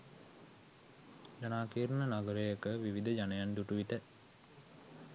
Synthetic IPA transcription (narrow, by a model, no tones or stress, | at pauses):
d͡ʒanaːkiːɾənənaɡəɾejəkəʋiʋid̪əd͡ʒanəjand̪uʈuʋiʈə